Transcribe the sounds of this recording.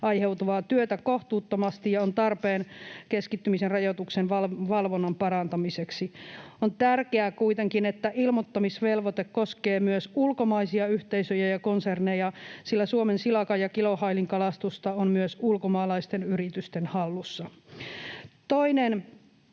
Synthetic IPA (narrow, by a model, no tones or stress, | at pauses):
ɑihewt̪uʋɑːt̪yøt̪ækoht̪uːt̪ːomɑst̪ijɑont̪ɑrpeːnkeskit̪ːymisenrɑjot̪uksenʋɑlʋɑlʋonːompɑrɑnt̪ɑmiseksiont̪ærkeækuit̪eŋkinet̪ːæʔilmot̪ːomisʋelʋot̪ekkoskeːmyøsulkomɑisiɑyht̪eisøjæjɑkonsernejɑsilːæsuomensilɑkɑjɑkilohɑiliŋkɑlɑst̪ust̪ɑonmyøsulkomɑːlɑist̪enyrit̪yst̪enhɑlːusːɑ | t̪oinen